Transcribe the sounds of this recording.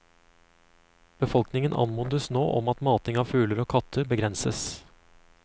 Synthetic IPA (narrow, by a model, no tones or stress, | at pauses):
b̥əfɔlknɪŋənʔɑ̰nmʊnd̪əsno̰ːʔɔmɑt̪mɑːt̪ɪŋɑːʋfʉːləɾoːkʰɑt̪ʰəɾbəɡɾɛnsəs